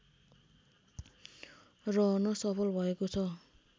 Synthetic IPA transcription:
rʌɦnʌsʌpʰʌlbʱʌekot͡sʰʌ

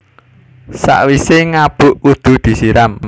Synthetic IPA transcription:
sa̰ʔwiseŋab̥ʊʔud̪̥ṳd̪̥i̤siɾam

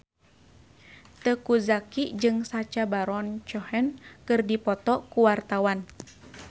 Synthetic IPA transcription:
t̪əkuzakid͡ʒɨŋsat͡ʃabaɾɔnt͡ʃɔhɛnkɨrdipɔt̪ɔkuwart̪awan

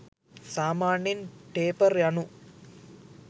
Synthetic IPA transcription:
saːmaːɳinpeːpɐrjɐɳu

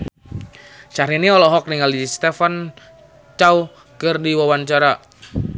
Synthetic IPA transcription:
ʃaɾiniɔlɔɦɔk̚niŋalist̪efan | t͡ʃau | kərdiwawant͡ʃaɾa

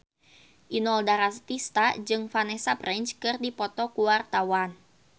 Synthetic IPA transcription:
ʔinɔldaɾast̪ist̪ad͡ʒɨŋfanɛsaprʔɛɲt͡ʃkɨrdipɔt̪ɔkuwart̪awan

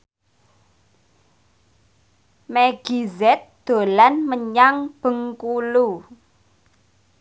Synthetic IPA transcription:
meɡ̥izɛt̪̚d̪̥o̤lanməɲaŋb̥ə̤ŋkulu

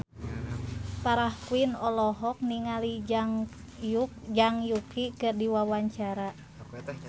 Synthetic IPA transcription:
paɾahkuinɔlɔɦɔk̚niŋaliŋ | d͡ʒaŋjukikɨrdiwawaɲt͡ʃaɾa

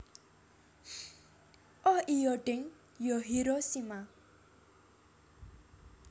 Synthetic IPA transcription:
ʔɔʔijɔɖɪŋ | jɔɦiɾɔsima

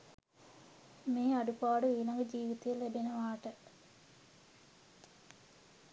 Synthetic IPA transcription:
meːaɖupaːɖəʋiːlɐŋɡəd͡ʒiːʋit̪ɐjelebenɐʋaːʈə

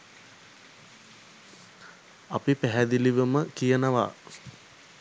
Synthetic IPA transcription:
ɐpipæɦæd̪iliʋəməkijənəʋa̰

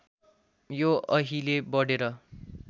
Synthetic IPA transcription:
joʌɦilebʌɽeɾʌ

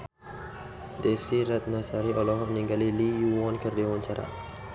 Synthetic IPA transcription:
dɛsiɾat̪̚nasaɾiʔɔlɔɦɔniŋɡalilijuwɔnkərdiwaɲt͡ʃaɾa̰

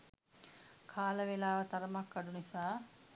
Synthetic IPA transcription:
kʰaːləʋelaːʋət̪ɐɾəmakːɐɖunisaː

